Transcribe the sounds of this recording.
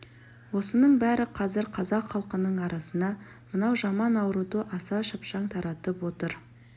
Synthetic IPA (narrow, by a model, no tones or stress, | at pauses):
wo̞sənəɴbæɾɪqʰɑzɪɾqʰɑzɑqχɑlˠqənəɴɑɾɑsənɑ | mənɑwʒɑmɑnɑwɾud̪əʔɑsɑʃɑpʃɑɴt̪ʰɑɾɑt̪əpwo̞t̪əɾ